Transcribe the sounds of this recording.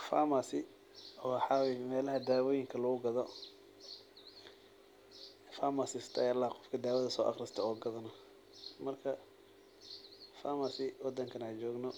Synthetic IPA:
fa̰masɪ | ɔwħɑwɛjmɛːlɐɦɐd̪aːwɔːjɪŋkʰɐlɐɣʊɡɐðɔ | faːmasɪst̪ʰɐjlːaqɔfkʰɐd̪aːwɐðɐsɔːʔɑ̰χrɪst̪ʰɐɔːɡɐðɐnɔ | mɐrkʰɐ | faːmasɪwɑd̪ɐŋkʰɐnat͡ʃɔːɡnɔ

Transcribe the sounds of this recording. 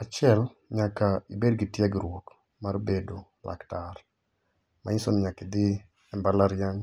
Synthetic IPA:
at͡ʃɪɛlɲakaibedɡɪtjɛɡɾwok | marbedo | lʔa̰ktar | ma̰ɪsonɲakɪd̪ɪ | ɛmbalaɾjaŋ

